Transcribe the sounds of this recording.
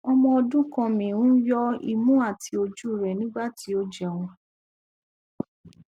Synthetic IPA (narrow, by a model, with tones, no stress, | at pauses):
ɔ˧mɔ̃˧ɔ˧dũ˦kɔ̃˧˨mĩ˨wũ˦jɔ˦i˧mũ˦a˦˨tʰi˧o˧d͡ʒu˦˨ɾɛ˨nĩ˦ɡ͡ba˦˨ti˦o˧d͡ʒɛ˨w̃ɔ̃˧